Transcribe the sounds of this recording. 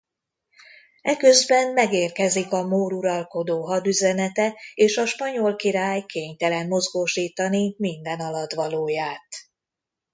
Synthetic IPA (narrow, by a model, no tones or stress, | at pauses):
ɛkø̞zbɛmmɛɡeːrkɛzikɒmoːɾuɾɒlko̞d̪oːɦɒd̪yzɛnɛt̪ɛeːʃɒʃpɒɲolkiɾaːjkeːɲt̪ɛlɛmmo̞zɡoːʃiːt̪ɒnimind̪ɛnɒlɒt̪ʋɒloːjaːt̪